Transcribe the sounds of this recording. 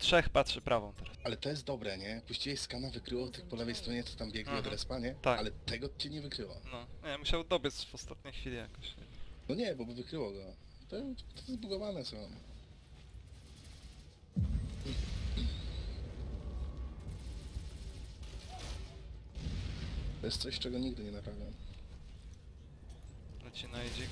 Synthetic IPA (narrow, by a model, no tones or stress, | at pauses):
tʂɛxpatʂɘpɾʔavɔ̃w̃t̪ɛɾasalɛt̪ɔjɛst̪̚d̪ɔbɾɛɲɛpuɕt͡ɕivʲɛjskanavɘkɾɘwɔt̪ɘkpɔlɛvɛjst̪ɾɔɲɛt̪ɔ̥t̪ambʲjɛɡɲɛɔd̪ɾɛspaɲɛt̪akalɛt̪ɛɡɔt͡ɕiɲɛvɘkɾɘwa̰nɔɲɛmuɕawd̪ɔbʲɘsvɔst̪at̪ɲejxfʲilʲijakɔɕɲɛ̰vnɔɲɛbɔbvɘkɾɘwɔɡɔ | t̪ɔt̪ɔzbuɡɔvanɛsɔ̃ | t̪ɔjɛst̪sɔɕt͡ʂɛɡɔɲiɡd̪ɘɲɛnapɾavʲjam | nɔt͡ɕinajd͡ʑɛ